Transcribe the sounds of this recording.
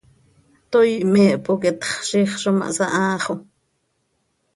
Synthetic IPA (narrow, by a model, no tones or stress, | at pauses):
t̪ojmɛːʔpokɛt̪χʃiχʃoma̰ʔsaʔaːχo